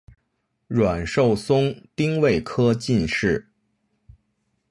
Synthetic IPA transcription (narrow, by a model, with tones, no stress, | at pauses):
ɻwa˨˩nʂo˥˩ʊsʊ˥ŋt̪i˥ŋwe˥˩ɪkʰɤ˥t͡ɕi˥˧nʂɻ̩˥˩